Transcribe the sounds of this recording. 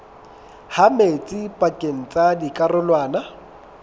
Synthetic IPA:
hamet͡sʼipʼakʼeŋ̩t͡sʼadikʼarʊlwaːna

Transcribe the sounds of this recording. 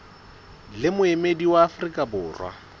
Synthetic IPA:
lɪmʊemediwaːfrikʼabʊːrwa̰

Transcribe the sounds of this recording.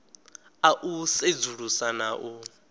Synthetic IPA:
aʔused͡zuɺusanaʔu

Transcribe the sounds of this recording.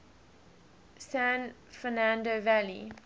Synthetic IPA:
sæ̃n | fɛnãndovælḭ

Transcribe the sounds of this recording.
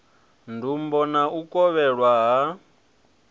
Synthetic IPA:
ndumbɔnaʔukʼɔβɛɺwaɦa

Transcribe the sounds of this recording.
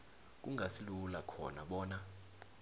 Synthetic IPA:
k̬ʼuŋʱasilulakʰɔ̰naɓɔːna

